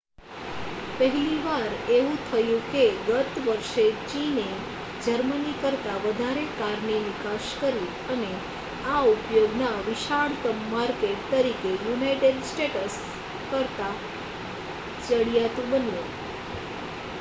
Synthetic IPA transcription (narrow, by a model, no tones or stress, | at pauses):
pəɦliʋaɾeʋũt̪ʰəjũkeɡət̪ʋəɾʃet͡ʃine | d͡ʒəɾmənikəɾt̪aʋəd̪ʱaɾekaɾnenikaʃkəɾi | əne | aupjoɡnaʋiʃaɽt̪əmːaɾkeʈ̚t̪əɾikejunajʈeɖsʈeʈəs | kəɾt̪a | t͡ʃəɭijat̪ũbənju